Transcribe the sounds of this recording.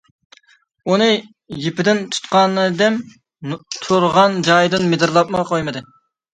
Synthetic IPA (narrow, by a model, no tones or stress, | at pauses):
unɨ | jepɪd̪ɪnt̪ʰu̥t̪qɑnɨd̪ɛm | t̪ʰuɾʁɑnd͡ʒɑjd̪ɪnmed̪ɨɾlˠɑp̚məʁɑqʰojmɨd̪ɨ